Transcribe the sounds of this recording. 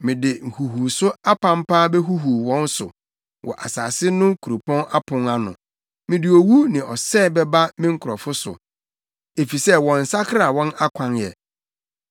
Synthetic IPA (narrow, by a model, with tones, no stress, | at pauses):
mɪ̃˨dɪ˨ŋ̩˨hu˨ɦu˨sʊ˦a˦pʰã˦m̩˦pʰaː˦bɛ˦ɦu˦ɦu˨wɔ̃˦n˦sʊ̰˨ | wʔɔ̰˨ʔa̰˨saː˨sɪ˦nʊ̃˦kʰu˨ɾu˨pʰɔ̃˦a˦pʰʊ̃˨ŋa˦nʊ̰̃˨ | mɪ̃˨dɪ˨o˨wu˦nɪ̃˨ɔ˨sɛː˦˨bɛ˦ba˦mɪ̃˦ŋ̩˦kʰʊ˨ɾɔ˨fʊ˦sʊ̰˨ | e˨fi˨sɛ˦wɔ̃˨n̩˨sa˦kʰɾa˨wɔ̃˦na˦kʷʰã˦njɛ̰˨